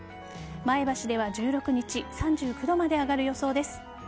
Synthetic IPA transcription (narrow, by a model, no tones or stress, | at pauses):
mae̞baɕid̪e̞β̞ad͡ʑɨːɾo̞kɯ̟ɲ̟it͡ɕisãɲ̟d͡ʑɨːɸɯ̟d̪o̞mad̪e̞aɡaɾɯ̟jo̞so̞ːd̪e̞sɨ̥